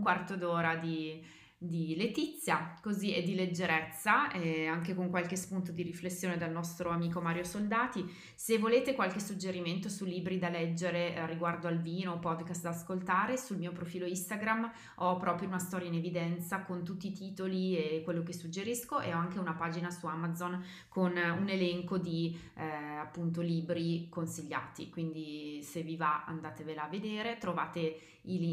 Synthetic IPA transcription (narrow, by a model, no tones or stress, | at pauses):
uŋkwart̪od̪oːɾad̪i | d̪ilet̪it̪sːjakozied̪ːiled͡ʒːeɾɛt̪sːaɛaŋk̟ekoŋkwalk̟espunt̪od̪iɾiflesːjoːned̪elnɔst̪ɾoamiːkomaːɾjosold̪aːt̪i | sevːoleːt̪ekwalkesud͡ʒeɾiment̪osulːiːbɾid̪alɛd͡ʒːeɾeriɡward̪oalviːnoːpɔd̪kast̪d̪aːskolt̪aːɾesulmiːopɾofiːloist̪aɡɾam | ɔpɾɔːpɾjounast̪ɔːɾjainevid̪ɛnt̪sakont̪ut̪ːiːt̪iːt̪oliekːwelːokesud͡ʒːeɾiskoʔḛɔaŋkeunapaːd͡ʒinasuamad̪zon | kʰonunelɛŋkod̪i | apːunt̪̬oliːbɾikonsiʎːa̰ːt̪ḭkwind̪isevivaa̰nd̪aːt̪evelaːved̪eːɾet̪ɾova̰ːt̪e | il